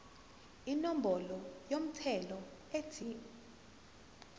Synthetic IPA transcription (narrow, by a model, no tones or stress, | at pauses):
inɔm̩bɔlɔjom̩tʰɛlɔ | etʰi